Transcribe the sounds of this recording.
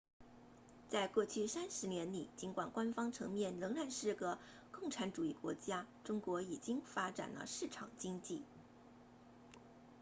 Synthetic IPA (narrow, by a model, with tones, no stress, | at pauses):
t͡sa˥˧ɪkwɔ˥˧t͡ɕʰy˥˩sa˥nʂɻ̩˧˥njɛ˧˥nli˨˩˦t͡ɕi˧˥nkwa˨˩nkwa˥nfɑ˥ŋʈ͡ʂʰɤ̰˧˥ŋmjɛ˥˩nlɤ˧˥ŋɻa˨˩nʂɻ̩˥˩ɡə˩ | kʊ˥˩ŋʈ͡ʂʰa˧˥nʈ͡ʂu˨˩i˥˩kwɔ̰˧˥t͡ɕja˥ʈ͡ʂʊ˥ŋkwɔ˧˥i˨˩t͡ɕi˥ŋfa˥ʈ͡ʂa̰˨˩nlə̰˦ʂɻ̩˥˩ʈ͡ʂʰɑ̰˨˩ŋt͡ɕi˥ŋt͡ɕi˥˩